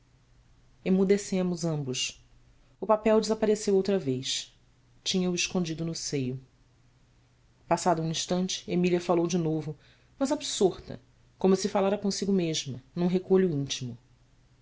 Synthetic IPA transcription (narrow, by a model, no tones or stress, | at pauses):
emud̪esẽmʊzɐ̃mbʊʃ | ʊpapɛwd͡ʒɪzapaɾesewowt̪ɾɐvejʃ | t͡ʃĩɲɐʊiʃkõnd͡ʒid̪ʊnʊsejʊ | pasad̪ɐũĩʃt̪ɐ̃nt͡ʃɪ̥emiliɐfalowd͡ʒɪnovʊ | mɐzabsoɾt̪ɐ̰ | kõmʊsɪfalaɾɐkõsiɡʊmeʒmɐnũɦekoʎʊĩnt͡ʃimʊ